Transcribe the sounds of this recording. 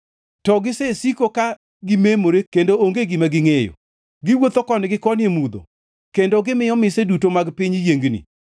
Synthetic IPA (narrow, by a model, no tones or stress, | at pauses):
tɔɡɪsesikoka | ɡɪmemoɾekendooŋɡeɡɪmaɡɪŋejo̰ | ɡɪwot̪okɔnɡɪkɔnɪemud̪o̰ | kendoɡɪmɪjɔmɪsedutomaɡpiɲjeŋɡnḭ